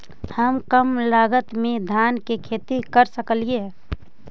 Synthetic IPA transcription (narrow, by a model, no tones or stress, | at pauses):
həmkəmlaːɡət̪mẽd̪ʱaːnkekʰeːt̪ikəɾsəkəlie